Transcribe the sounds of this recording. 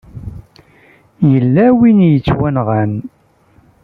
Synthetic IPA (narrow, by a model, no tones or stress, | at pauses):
jəlːæwinjət͡sːwænʁæn